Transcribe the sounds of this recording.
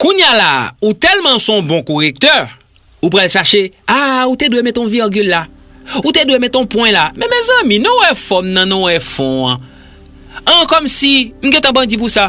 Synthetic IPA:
kũɲjalaut̪ɛlmãsɔ̃bɔ̃koʁek̚t̪œ | up̬ʁalʃaʃeautedwemɛ̃t̪ɔ̃viʁɡylːa | ut̪edwemɛ̃t̪ɔ̃pwɛ̃lamɛ̃mɛzãmĩnɔ̃wɛfɔmnãnɔ̃wɛfɔ̃ã | ãkɔmsim̩ɡɛ̃t̪ãbãd͡zip̬usa

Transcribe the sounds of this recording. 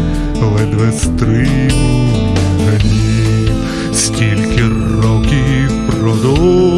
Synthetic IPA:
lˠɛd̪ʋɛst̪ɾɪ | ɦɐlʲi | sʲtʲilʲkʲɪrɔwkʲi | pɾɔd̪ɔ

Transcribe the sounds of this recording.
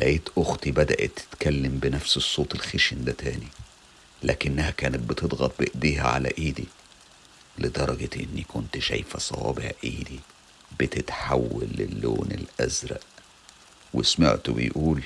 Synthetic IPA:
læʔeːt̪ʔoxt̪ibæd̪æʔet̪ːɪ̥t̪kælːembɪnæfsesˤːoːt̪elxeʃend̪æt̪æːni | læːkɪnːæhækæːnæt̪̚bɪt̪ed̪ˤɣɑt̪̚beʔd̪iːɦæʕa̰læ̰ʔiːd̪i | led̪ˤɑɾˤɑɡ̪ʔḛnːikʊnt̪ʃæ̰jfæsˤɑwɑ̰ːbehæ̰ʔiːd̪i | bɪt̪ɪt̪ħawːælːelːo̰ːnelʔæzɾæ̰ʔ | wḛsma̰ʕt̪obḛjʔuːl

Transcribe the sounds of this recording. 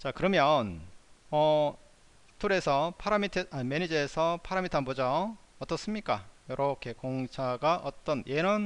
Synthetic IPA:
t͡ɕakɯɾʌmjʌnʌ | tʰuɾe̞sʰʌpʰaɾamitʰeamenid͡ʑiesʰʌpʰaɾamitʰoanbod͡ʑaʌt͈ʌs͈ɯmɲik͈ajʌɾʔʌkʰe̞koŋt͡ɕʰaɡaʔʌt͈ʌnjʔenʌn

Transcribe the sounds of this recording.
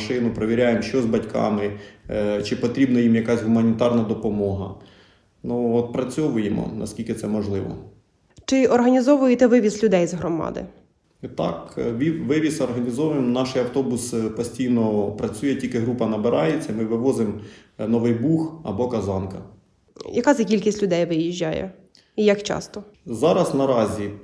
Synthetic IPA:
ʃɪnʊpɾɔʋʲiɾʲajemʃt͡ʃɔzʲbɐtʲkʰɑ̰mɪ | t͡ʃɪpɔt̪ɾʲibnɐjimjɐkɑzʲɦʊmɐnʲit̪ɑrnɐd̪ɔpɔmɔɦɐ̰ | nuɔt̪̚pɾɐt͡sʲɔʋʊjemɔ̰nɐ̰skʲilʲkɪt̪sɛmɔʒlˠɪʋɔ̰ | t͡ʃɪʔɔrɦɐnʲizɔʋʊjet̪ɛʋɪʋʲislʲʊd̪ɛjzɦɾɔmɑ̰d̪ɪ̰ | t̪ɑ̰kʋʲiʋɪʋʲisɔrɦɐnʲizɔʋmnɑʃɪjɐwt̪ɔbʊspɔsʲtʲijnɔpɾɐt͡sʲujɛtʲilʲkɪɦɾupɐnɐbɪɾɑjet͡sʲːɐmɪʋɪʋɔzɪmnɔʋɪjbuxɐ̰bɔkɐzɑnkɐ | jɐkɑzɐkʲilʲkʲisʲtʲlʲʊd̪ɛjʋɪjiʒʲːajɛ̰ | ijɐkt͡ʃɑ̰st̪ɔzɑɾɐsnɐɾɑzʲi

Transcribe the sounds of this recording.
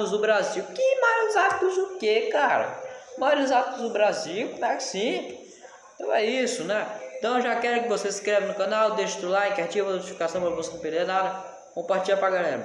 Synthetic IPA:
ʊzd̪ʊbɾaziwkɪmajʊzat̪kʊzd̪ʊkekaɾɐ̰maɾʊzat̪k̪lʊzd̪ʊbɾaziwkõmɛkɪ̥sĩt̪ | ẽt̪ɐ̃w̃ɛisʊnɛeẽt̪ɐ̃w̃ʒakɛɾʊkɪvoseskɾevɐnʊkɐ̃nawd̪eʃɪ̥t̪ulãkat͡ʃivɐnot͡ʃifikasɐ̃w̃pɐɐmuzkɐũped̪enad̪ɐ | kõmpaɾt͡ʃiʎɐpɾaɡalɛ̰ɾɐ

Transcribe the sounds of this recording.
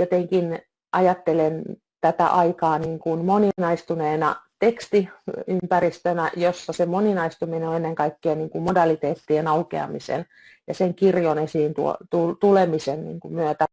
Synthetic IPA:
jot̪eŋkin | ʔɑjɑt̪ːelen | t̪æt̪æ̰ʔɑikɑːniːŋkunmoninɑist̪uneːnɑt̪ekst̪iympærist̪ønæjosːɑsemoninɑist̪umineoenːeŋkɑikːeɑniːŋkummodɑlit̪eːt̪ːienɑukḛɑ̰mḭsḛn | jɑseŋkirjonesiːnt̪uo̰t̪ult̪ulemisennḭːŋkummyøt̪æ

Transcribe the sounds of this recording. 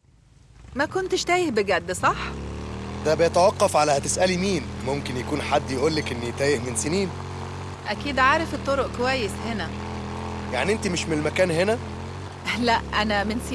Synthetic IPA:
mækont̪ʃt̪æːjehbeɡæd̪ːsˤɑħ | d̪æbɪjet̪æwɑqːɑfʕalæhæt̪esʔælimiːnmomkenjækuːnħad̪ːjeʔuːlːækʔenːijet̪æːjehmenseniːn | ʔækiːd̪ʕaːɾefet̪ˤːoɾoʔkowæjːeshenæ | ja̰ʕniʔent̪imeʃmenelmækæːnɦenæ | læʔʔænæmɪns

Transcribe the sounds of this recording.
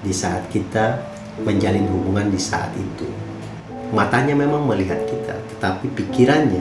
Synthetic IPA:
disaːt̪̚kit̪a | məɲd͡ʒalɪnɦubuŋandisa̰a̰t̪ḭt̪u | mat̪aɲamemaŋməliɦat̪̚kit̪ʰa̰t̪ə̥t̪apipikiɾanɲa

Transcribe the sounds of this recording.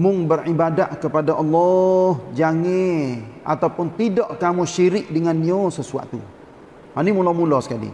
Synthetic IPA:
mʊŋbərʔibadaʔkəpadaʔɔlːɔhd͡ʒaŋeʔa̰t̪awpʊnt̪idɔʔkamuʃiɾɪk̚dəŋaniosəsua̰t̪ṵ | hanimulamulɔsə̥kalḭ

